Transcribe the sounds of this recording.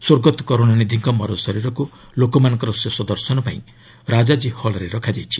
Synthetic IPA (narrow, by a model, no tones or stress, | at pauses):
soɾɡɔt̪ɔ̥kɔɾonanid̪ʱiŋkɔmɔɾɔsɔɾiɾɔku | lokɔmanɔ̃ŋkɔɾɔsesɔd̪ɔɾsɔnɔpaĩ | ɾad͡ʒad͡ʒihɔlɔɾeɾɔkʰad͡ʒajt͡ʃʰi